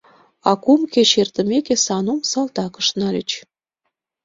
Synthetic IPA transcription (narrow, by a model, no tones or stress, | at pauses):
ɑkumket͡ɕert̪ə̆mekesɑnumsɑlt̪ɑkə̥̆ʃnɑlʲət͡ɕ